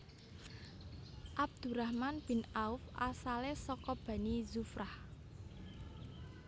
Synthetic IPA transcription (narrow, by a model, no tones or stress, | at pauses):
ʔab̚d̪̥ṳɾahmanb̥i̤naufʔa̰salesɔkɔb̥a̤nizufɾah